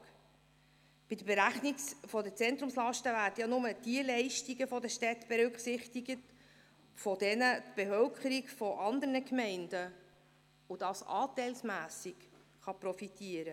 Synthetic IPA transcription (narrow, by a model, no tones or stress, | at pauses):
b̥ɪd̥əbeɾæχniɡfɔdət͡sɛnt̪ɾʊmslɑʃtəvæːɾdəjɑnʊmətiəlɛɪʃtiɡəfɔdəʃtɛtb̥ɛɾʉkχsɪχtiɡət | fɔd̥ɛnətb̥efœlkʰχəɾiɡfɔʔɑnd̪əɾnəkmɛɪnd̥ə | ud̥ɑsɑ̰ːt̪ɛɪlsmæːsik | χɑpɾɔfit̪iəɾə